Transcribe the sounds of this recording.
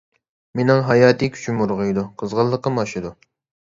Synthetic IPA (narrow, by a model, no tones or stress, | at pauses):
menɪŋɦɑjɑːt̪ʰɨkʲʰy̥t͡ʃʰymuɾʁɨjd̪uqʰəzʁəlˠːəqːəmɑʃɪd̪u